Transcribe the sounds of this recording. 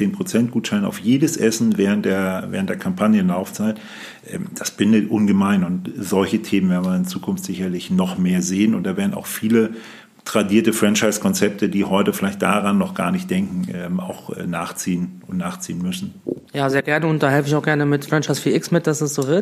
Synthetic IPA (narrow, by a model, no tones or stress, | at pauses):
t͡seːnpʁ̥ot͡sɛnt̚ɡ̥uːtʃaɪna̰ʊfjeːdəsʔɛsn̩vɛːʁ̞ənt̚d̥eːɐvɛ̰ːəntd̥eːɐkʰampʰanjənlaʊft͡saɪt | ʔɛːmd̥asb̥ɪndətʔʊnɡəmaɪnʊntz̥ɔlçətʰeːmənvɛːn̩vɐɪnt͡suːkʰʊnftz̥ɪçɐlɪçnɔχmeːɐzeːənʊntd̥aːveːɐdn̩a̰ʊxfiːlə | tʁ̥adiːɐtəfʁ̥ɛnt͡ʃaɪskʰɔnt͡sɛp̚tʰədiːɦɔʏtəfɪlaɪçt̚d̥aʁanːɔχɡ̥a̰ːɐnɪçt̚d̥ɛŋkŋ̩ʔɛːma̰ʊxɛ̰ːnaːχt͡siːənʊntnaːχt͡sḭːənmʏsn̩jaːzeːɐɡɛɐnəʊnt̚d̥aːhɛlfəɪçaʊxɡ̥ɛɐnəmɪtfʁ̥ɛnt͡ʃaɪsfiːɐɪksmɪt̚d̥asɛsz̥oːvɪɐt